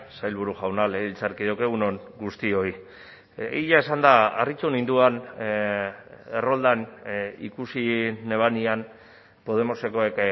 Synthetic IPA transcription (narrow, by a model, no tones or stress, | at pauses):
sajlβuɾuʝawnaleilt͡saɾkiðowkeɣ̞unoŋɡust̪io̞i | iʎae̞sand̪aarit͡ʃunind̪uan | e̞ro̞ld̪anḭkusine̞β̞anian | po̞ðe̞mo̞se̞ko̞ek